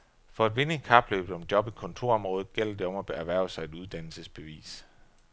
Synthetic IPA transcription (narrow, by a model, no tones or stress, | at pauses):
fɒ̽æd̥ʋe̝nekʰɑ̈b̥lø̰ːb̥ð̩ˠɒ̽md̥jɒ̽b̥ikʰɒ̽nt͡sʰo̝ɐ̰ɒ̽mʁɔ̽ːð̩ˠɡ̥el̰ɐd̥e̝ɒ̽mæb̥æʋæɐ̰ʊsɑ̈ɪed̥uð̞ˠd̥æn̰l̩səsb̥e̝ʋḭːs